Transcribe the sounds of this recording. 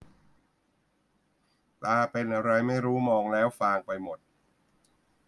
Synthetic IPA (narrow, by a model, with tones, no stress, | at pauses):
paː˧pe˧nʔa˧ɾa˧jma˥˩jɾuː˦˥mɔː˧ŋlɛː˦˥wfaː˧ŋpa˧jmo˨˩t̪̚